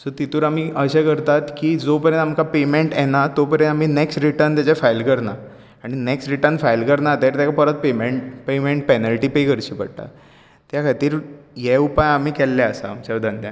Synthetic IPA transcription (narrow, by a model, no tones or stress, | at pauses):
sɔt̪it̪uːɾam̤iːʔəɕekəɾt̪at̪kiːd͡zopəɾjə̃nt̪amkapemeɳʈjɛnat̪opəɾjə̃am̤iːneksʈɾiʈəɾnt̪jat͡ɕefajlkəɾna | aɽ̃ineksʈɾiʈəɾnfajlkəɾnat̪eɾt̪jakapəɾət̪̚pemeɳʈpemeɳʈ̚penəlʈiːpekəɾt͡ɕiːpə̰ɽʈ̪a̰ | t̪jakʰat̪iːɾjeupajam̤iːkɛlːɛəsa̰ːmt͡ɕaʋd̪ʱənjã